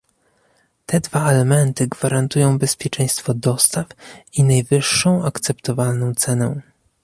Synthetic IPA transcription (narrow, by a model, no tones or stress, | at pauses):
t̪ɛd̪vaɛlɛmɛnt̪ɘɡvaɾant̪ujɔ̃w̃bɛspʲjɛt͡ʂɛj̃st̪fɔd̪ɔst̪afinajvɘʂːɔ̃w̃akt̪sɛpt̪ɔvalnɔ̃w̃t̪sɛnɛ